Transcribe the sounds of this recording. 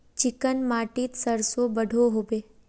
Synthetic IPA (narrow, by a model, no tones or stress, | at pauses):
t͡ʃɪkənmaʈit̪səɾsobəɖʱoɦobe